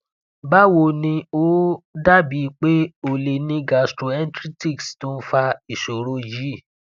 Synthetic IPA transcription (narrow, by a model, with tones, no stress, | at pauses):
ba˦wo˧nĩ˧o˦da˦bi˨˦k͡pe˦o˨le˨nĩ˧ɡa˨stɾo˨ɛ˦n˦tɾi˦ti˦˨kstõ˦fa˧i˨ʃo˨ɾo˧d͡ʒi˨˦˨